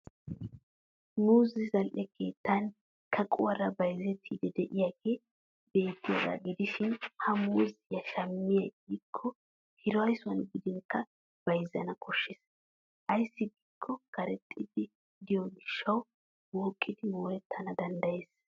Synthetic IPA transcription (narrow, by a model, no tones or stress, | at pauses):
muːzɪzɐlʔɛkʰe̞ːt̪ːɐn | kʰɐkʼʊwɐɾɐbɐjzɛt̪ʰːiːd̪ɛd̪ɛʔɪjaɡeː | be̞ːt̪ːɪjɔdɐ̰ɡɪd̪ɪʃɪnhɐmuːzɪjɐʃɐmːɪjɐɡikʰːɔ | hɪɾɔwɐjsʊwɐnbɪd̪ɪŋkːɐ | b̥ɐjzːɐnɐkʰɔʃːɪs | ʔɐjsːɪɡikʰːɔkɐɾɛt̪ʼːɪd̪ɪ | d̪ɪjɔɡɪʃːɐw | wɔːkʼːɪd̪ɪwoːɾɛt̪ʰːɐnɐd̪ɐnd̪ɐjeːs